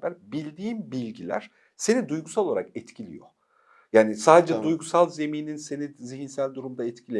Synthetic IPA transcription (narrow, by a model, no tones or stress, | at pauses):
bæɾbilʲd̪iːnbilʲɟilʲæ̰ɾ̥ | se̞nid̪ujɡusalolˠaɾakɛt̪cʰilʲḭjo̰ | jaːnisaːd̪e̞d͡ʒɛd̪ujɡusalˠze̞miːninse̞niziɦinsælʲd̪uɾumd̪aɛt̪cʰilʲe